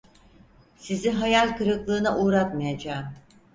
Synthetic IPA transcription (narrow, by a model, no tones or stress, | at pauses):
siziɦajalʲkɯɾɯklˠɯːnaʔuːɾat̪majad͡ʒaːm